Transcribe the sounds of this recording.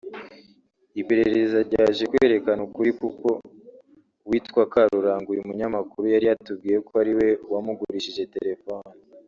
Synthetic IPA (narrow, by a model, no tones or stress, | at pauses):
ipe̞ɾe̞ɾezzaɾɟaːʒekweːɾe̞kanukuɾikuko̞ | wiːtkwakaɾuɾaːŋɡujeumuɲamakuɾujaɾijatub̚ɡiːjekoaɾiwe̞wamuɡuɾiʃiʒe̞te̞̰ɾe̞foni